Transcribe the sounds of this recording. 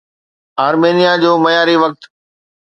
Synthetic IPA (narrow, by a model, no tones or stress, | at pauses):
aːɾmeːnijad͡ʑoːmɐjaːɾiʋɐk̚t̪